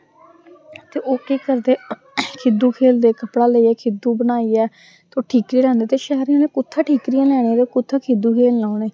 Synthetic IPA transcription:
t̪eːʔoːʈiːkəɾd̪eː | kʰɪd̪uːkʰeːld̪eːkəpɽaːləiːɛːkʰɪd̪uːbənaːiːɛː | t̪eoːʈʰiːkɾiːlɛ̃ːnd̪eːt̪eːʃɛɦɾiãːneːkʊt̪ʰːaːʈʰiːkɾijãːlɛːɽ̃eːɾekʊt̪ʰːaːkʰɪd̪uːkʰeːllaːʊneː

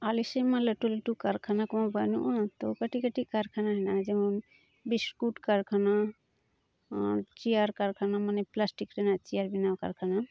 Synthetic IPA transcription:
alisajmalɛʈuliʈukaɾkʰanakɔmãbanṵʔnat̪ɔkaʈikaʈikaɾkʰanaɦɛnad͡ʒɛmɔ | biskuʈkaɾkʰana | t͡ʃijaɾkaɾkʰanamanɛplasʈikɾɛnat͡ʃijaɾbinawka̰ɾkʰana

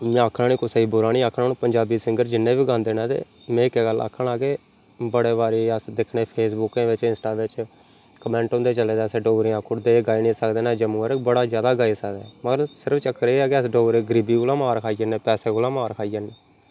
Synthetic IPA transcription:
m̃ːəkʰːnaːniːkʊsəiːbʊɾaːnĩːaːkʰːnaːnũːpəɲd͡ʒaːbiːsɪ̃ŋɡəɾd͡ʒɪnːẽːbiːɡãːnd̪eːnãːt̪ḛː | mɛ̃ːɪkɛːɡəla̰ːkʰːəɳaːɡeː | bəɽeːbaːɾeəsd̪ɪkʰɳeːpʰeːsbʊkẽːʋɪt͡ʃɪ̃nsʈaːʋɪt͡ʃ | kəmɛ̃ːɳʈõːnd̪eːt͡ʃəleːd̪ɛːseːɖoːɾeːãːkʰʊɽd̪eːɡaːiːnĩːsəkd̪eːnɛ̃ːd͡ʒəmũːəɾkbəɽaːzjaːd̪aːɡaːeːsəkd̪ɛːməɡəɾsɪɾəpʰt͡ʃəkːɾeaːkeəsɖoːɾeːɡəɾiːbiːkolãːmaːɾkʰaːiːd͡ʒənẽːpɛːseːkolãːmaːɾkʰaːiːəːneː

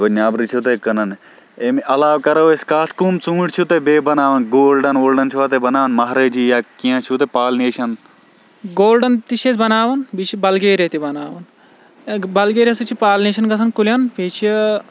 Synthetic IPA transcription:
ʋɐnaːbɾit͡ʃʰut̪ekɐnɐn | emʔɐlaːwkɐɾoːeskaːskumt͡sũːɽt͡ʃʰut̪ebeːbɐnaːʋɐnɡoːlɖɐnoːlɖɐnt͡ʃʰuʋaːt̪ebɐnaːʋɐnmɐɦɾed͡ʒiːjaːkijãːt͡ʃʰut̪̬epaːlneːʃɐn | ɡoːlɖɐnt̪iʃesbɐnaːʋɐnbit͡ʃʰibɐlɡeːɾet̪ibɐnaːʋɐn | bɐlɡeːɾʲɐsut͡ʃʰipaːlneːʃɐnɡɐsʰɐnkuljɐnpeːt͡ʃʰi

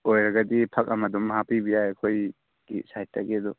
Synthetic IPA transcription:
ojɾaɡadipʰak̚amadɔmɦapibijajakʰoj | ɡ̥ḭsajtːaɡedɔ

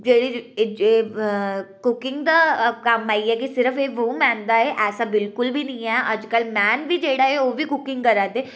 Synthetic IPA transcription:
d͡ʒeːɽid͡ʒeː | kʊkɪ̃ŋɡd̪akaːmaːiɛk̬isɪɾəfeːʋõmɛ̃ːnd̪aɦeʔɛːsabɪlkʊlbʱinɐɦĩɦɛʔɐd͡ʒkəlmɛːnbʱid͡ʒeːɽaɦɛoːbʱikʊkɪ̃ŋɡkɐɾaːt̪e

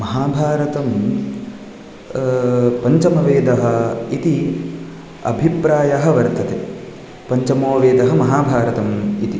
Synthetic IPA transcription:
mɐɦaːbʱaːɾɐt̪ɐm | pɐɲt͡ʃɐmɐʋeːd̪ɐɦɐ̆it̪i | ɐ̰bʱipɾaːjɐɦɐ̆ʋɐɾt̪ʰɐt̪e | pɐɲt͡ʃɐmoːʋeːd̪ɐɦɐ̆mɐɦaːbʱaːɾɐt̪ɐmit̪i

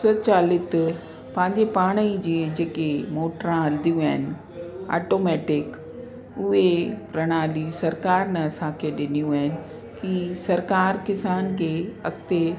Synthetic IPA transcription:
sɐt͡ɕaːlɪt̪ | pãːɲd͡ʑepaːɽ̃əid͡ʑeːd͡ʑeːkemoːʈɾãɦɐld̪ijũaːɦɪnɪ̆ | a̰ːʈoːmɛːʈɪk | ʊɦepɾɐɽ̃ãːliũsɐɾkaːɾnɐɐsãkʰeɗɪnijũaːɦɪnɪ̆ | kisɐɾkaːɾkɪsaːnkʰeːɐ̰kt̪e

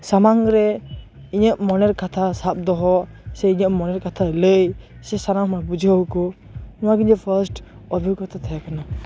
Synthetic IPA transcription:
samaŋɾɛ | iɲəʔmɔnɛɾkat̪ʰasap̚d̪ɔɦɔ | sɛiɲəʔmɔnɛɾkat̪ʰaələjsɛsanamabud͡ʒʱukɔ | uwaɡiɲɔpʰəɾsʈ | ɔbʱiukat̪ʰat̪ʰajakana

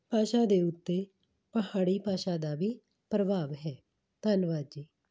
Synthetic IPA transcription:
paːʃaːd̪eːʊt̪ːeː | pəɦaːɽiːpaːʃaːd̪aːʋiː | pɾəbaːʋɦɛː | t̪ənʋaːd͡ʒiː

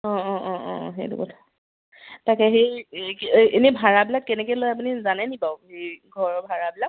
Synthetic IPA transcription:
ɔ̃ɔ̃ʔɔ̃ʔɔ̃ɦḛjtṵkɔtʰḁ | takɛɦejkʔenibʱaɹabilakːɛnɛkɛlojapunizanɛnibaʊhejɡʱɔɹɔbʱaɹabilak̚

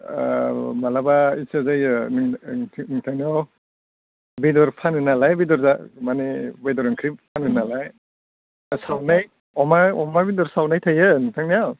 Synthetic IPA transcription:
malabaisazajɯnŋʰniŋtʰaŋnijaw | bidɔɾpʰanɯnalajbidɔɾzamanebejdɔɾɯŋkʰɾippʰanɯnalaj | sawnaj | ɔmaɔmabidɔɾsawnajtʰajɯnitʰaŋniaw

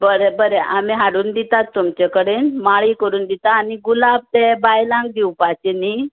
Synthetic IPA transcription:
bəɾebəɾeʔamiɦaɽuːnd̪it̪at̪ːumt͡ɕekəɽenmaɭikəɾuːnd̪it̪aːniɡulab̚t̪ebajlãŋɡd̪iwpat͡ɕeni

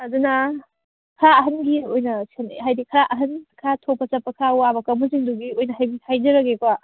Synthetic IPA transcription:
ɐduna | kʰɾaɐɦɐnɡiojnɐsi̥ɐnḛɦajdikʰɐɾaʔɐɦɐnkʰɾatʰopːɐt͡ʃɐpːɐkʰɾawabɐkɐmusiŋduɡiojnɐɦajbitʰajd͡ʒɐɾɐɡekwa

